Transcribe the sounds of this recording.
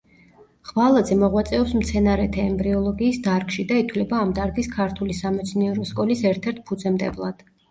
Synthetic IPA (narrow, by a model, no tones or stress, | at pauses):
ʁ̥valˠad̪zɛmɔʁwat̪sʼɛɔpsmt̪sʰɛnaɾɛt̪ʰɛːmbɾiɔlˠɔɡiːsd̪aɾɡʃid̪ait̪ʰwlɛbaːmd̪aɾɡiskʰaɾt̪ʰulisamɛt̪sʰniɛɾɔskʼɔlisɛɾt̪ʰɛɾt̪̚ʰpʰud̪zɛmd̪ɛ̰blˠad̪̥